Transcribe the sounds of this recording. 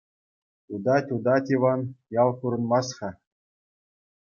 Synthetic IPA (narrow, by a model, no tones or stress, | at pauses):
tud̪ɑtʲud̪ɑtʲiʋɑnjɑlˠkuɾɤ̆nmɑsχɑ